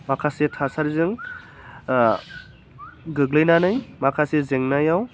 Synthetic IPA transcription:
makʰasetʰasaɾzɯŋ | ɡɯɡlɯjnanɯjmakʰasezeŋnajaw

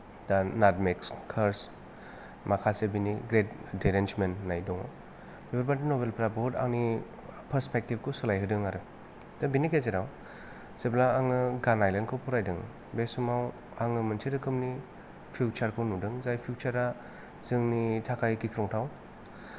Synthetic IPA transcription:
d̥anatmekskʰaɾs | makʰasebiniɡɾetdeɾend͡ʒmennajdɔŋa̰w | bebaɾbaɾdinobelpʰɾabɔda̰ŋni | pʰɐɾspek̚tib̚kʰosulajɦɯdɯŋaɾɯ | tabinikezeɾaw | seplaːŋɯɡanajlenkʰowpʰuɾajdɯŋ | besumaw | aŋɯmɯntʰiɾɯkʰɯmni | pʰut͡ʃaɾkʰɯwnudɯŋzajpʰiut͡ʃaɾa | z̥ɯŋnitʰakʰajkikʰɾɔŋtʰaw

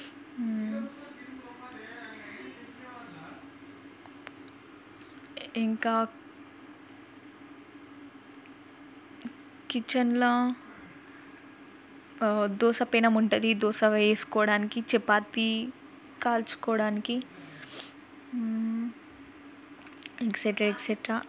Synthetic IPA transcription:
iŋkaː | kit͡ʃɐnlɐ | d̪ɔːʃɐpeːnɐmuɳʈɐd̪id̪ɔːʃɐʋeːsu̥kɔːʋɐɽaːnikit͡ʃɛpːaːt̪ːi | kaːlt͡ʃu̥kɔːɐɽaːniki | ekseʈɾaekseʈɾaː

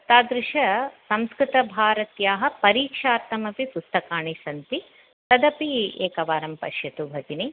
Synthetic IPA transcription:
t̪aːd̪ɾɪʃɐsɐ̃mskɾɪt̪ɐbʱaːɾɐt̪jaːɦɐ̆pɐɾiːkʂaːɾt̪ɐmɐpipust̪ɐkaːɳisɐnt̪i | t̪ɐd̪ɐpieːkɐʋaːɾɐmpɐ̰ʃjɐt̪ubʱɐɡini

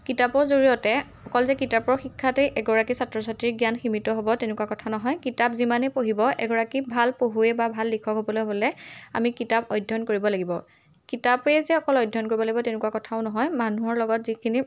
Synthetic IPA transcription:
kitapɔɹzoɹijɔtɛ | ɔkɔlzɛkitapɔɹxikʰːatɛʔɛɡɔɹakisatɹɔsatiɹɡjanximitɔɦobɔtenɛkuakɔtʰanɔɦɔjkitapzimanɛpoɦibɔʔɛ̰ɡɔɹakibʱalpoɦuɛbabʱalːikʰɔkɦobɔlojbolɛa̰mikitapɔjdʱɔnkoɹibɔlaɡibɔ | kitapɛzɛɔkɔlɔjdʱːɔnkoɹibɔlaɡibɔtenɛkuwakɔtʰaʊnɔɦɔjmanuɦɔɹlɔɡɔtzikʰini

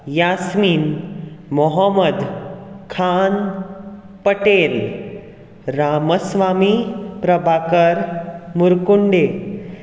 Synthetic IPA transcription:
jasmiːnmɔɦəməd̪kʰan | pəʈel | ɾaməsʋamipɾəbʱakəɾmuɾkuɳɖe

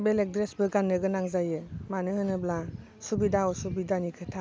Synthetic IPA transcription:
belek̚dɾesbɯɡanːɯɡɯnaŋzajɯmanɯhɯnɯbla | subidaɔsubidanikʰɯtʰa

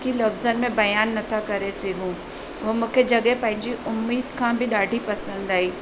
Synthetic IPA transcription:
kilɐfzənmẽbɐjaːnːɐt̪ʰakɐɾeseːɡʱũ | ʋomũːkʰed͡ʑɐɠepɐ̃ɦɪ̃ɲd͡ʑiʔʊmːiːd̪kʰãːbɪɗaːɖʱipɐsə̃nd̪aːɦiː

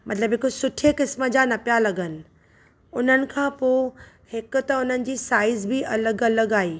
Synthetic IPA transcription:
mɐt̪ləbɦɪkosʊʈʰekɪsmə̆d͡ʑanɐpijalɐɡənɪ̆ | ʊn̤ənɪ̆kʰãːpo | hɪkʊ̆t̪ɐʊn̤ənɪ̆d͡ʑiːsaːɪzbɪʔɐləɡɐləɡaːiː

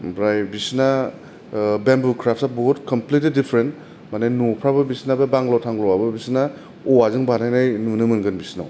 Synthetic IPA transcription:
bɾajbisna | bembukʰɾap̚ʰsabɔtkɔmplitlidipʰɾent | manenupʰɾabɯbisinababaŋɡlawtʰaŋɡlɔwabɯbisna | ɔazɯŋbanajnajnunɯmɯnɡɯnbisinaw

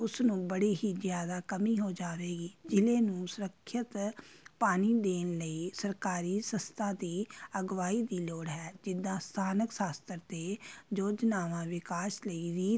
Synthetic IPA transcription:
ʊsnũːbəɽiːɦiːzjaːd̪aːkəmiːɦoːd͡ʒaːʋeːɡiːd͡ʒɪleːnũːsʊɾəkʰːət̪paːniːd̪eːnləiːsəɾkaːɾiːsəst̪ʰaːd̪iːəɡʋaːiːd̪iːloːɽɦɛːd͡ʒɪd̪ːãːst̪ʰaːnəksaːst̪əɾt̪eːd͡ʒoːd͡ʒnaːʋãːʋɪkaːʃləiːɾiː

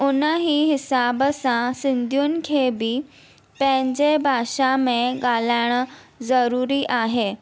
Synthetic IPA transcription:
unəɦiːɦisabasãsind̪ʱjuːnkʰebiː | pẽɲd͡ʑebʱaɕameɡalaɳ̃ | zəɾuɾiːʔaɦe

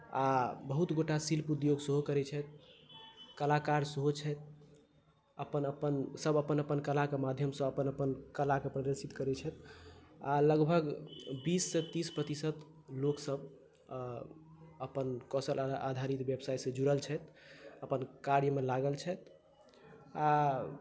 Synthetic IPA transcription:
abəɦut̪ɡoʈasilpud̪joɡsəɦokəɾɛt͡ʃʰɛt̪̚ | kəlakaɾsəɦot͡ʃʰɛt̪̚ | əpənəpənsəbəpənəpənkəlakemad̪ʱjəmsə̃əpənəpənkəlakepɾəd̪əɾsit̪kəɾɛt͡ʃʰɛt̪aləɡbʱəɡbisːẽt̪ispɾət̪isət̪ | loksəb | əpənkɔsəlʔad̪ʱaɾit̪bjəbsajsə̃d͡ʒuɾəlt͡ʃʰɛt̪əpənkaɾjəmelaɡəlt͡ʃʰɛt̪ | a

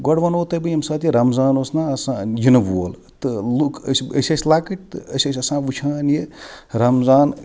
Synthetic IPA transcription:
ɡɔɽʋɐnoːt̪ɐbɨjɐmsaːt̪jiɾɐmzaːnoːsnaːɐsãːjinɐbuo̰l | t̪ɨlukʰsʲəsʲɐsʲlaːkiʈ̚t̪ɨɐsʲɐsʲɐsãːʋut͡ʃʲʰaːnjeɾɐmzaːn

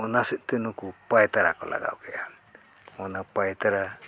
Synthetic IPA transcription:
ɔnasɛt̪̚ˀt̪ɛnukupajt̪aɾa̰kɔlʔa̰ɡa̰wkɛʔa | ɔnapajt̪aɾa

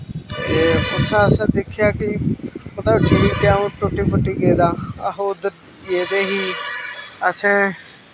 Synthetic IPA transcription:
eʊt̪ʰːãːəsãːd̪ekʰɪjaːkɪmət̪ləbt͡ʃʰəɽiːkjaːũːʈʊʈːiːpʰəʈːiːɡeːd̪aːəɦoːd̪ | ɡeːd̪eːɦiː | əsẽː

